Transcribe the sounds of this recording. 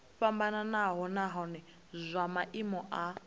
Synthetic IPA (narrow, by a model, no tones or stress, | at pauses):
ɸambananaɦɔnaɦɔnɛ | zʷamaʔimɔʔa